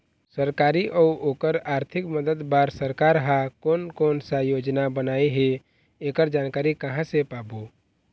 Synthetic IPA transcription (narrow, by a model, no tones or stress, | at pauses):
səɾkaːɾiʔɔːoːkəɾaːɾt̪ʰɪkməd̪əd̪baːɾsəɾkaːɾɦãkoːnkɔːnsajoːd͡ʒnabənaːiɦe | eːkəɾd͡ʒaːnkaːɾikəɦãsepaːboː